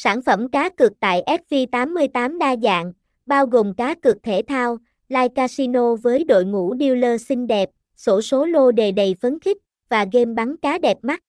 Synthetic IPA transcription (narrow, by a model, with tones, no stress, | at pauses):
saː˧˩nfə˧˩mkaː˨˦kɨ˨˩k̚t̪a̰ː˧˨jʔɛ˦˥t̚vi˧t̪aː˨˦mːɨ˧əjt̪aː˨˦mɗaː˧za̰ː˧˨ŋ | ɓaː˧wɣo˨˩mkaː˨˦kɨ˨˩ək̚t̪ʰe˧˩t̪ʰaː˧w | laː˧jkaː˧si˧no˧vəː˨˦jɗo̰˧˨jŋṵ˧˥ɗi˧əwləː˧sï˧ŋ̟ɗɛ˨˩p̚ | so˧˦so˨˦lo˧ɗe˨˩ɗə˨˩jfə˨˦nxï˦˥k̟̚ | vaː˨˩ɣe˧mɓa˨˦ŋkaː˨˦ɗɛ˨˩p̚ma˦˥t̚